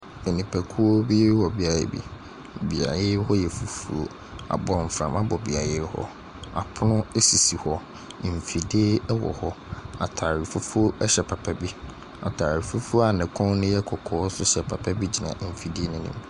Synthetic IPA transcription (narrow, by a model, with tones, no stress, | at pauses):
e˨nĩ˨pʰæ˨kʰu˦o˦bi˦wɔ˨bi˨a˨ɾḛ˦bḭ˦ | bi˨a̰˨je˦hɔ˦jɛ˨fu˨fu˦o˨ | a̰˨bɔ˨m̩˨fɾã˨ma˦bɔ˨bi˨a̰˨je˦hɔ̰˦ | a˨pʰʊ˦nʊ̃˦e˦si˨si˨hɔ˦˨ | fi˨de˦wɔ̰˨hɔ˦ | a˨tʰa˨ɾi˨fu˦fo˦ɛ˦ɕɛ˨pʰa˨pʰɛ˦bi˦ | a̰˨tʰaː˨ɾi˨fu˦fu˦a˨nɪ̃˨kʰɔ̃˦n˦nʊ̃˦jɛ˦kʰɔ˨kʰɔː˨˦sʊ˦ɕɛ˨pʰa˨pʰɛ˦bi˦d͡ʑi˨nã̰˨m̩˨fi˨di˦e˦nʊ̃˦nʊ̰̃˨m